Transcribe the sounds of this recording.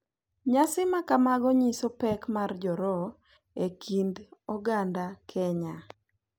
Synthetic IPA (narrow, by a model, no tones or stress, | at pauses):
ɲasɪmakamaɡɔɲisopɛkmard͡ʒɔɾɔ | ekʰindɔɡandakʰɛɲa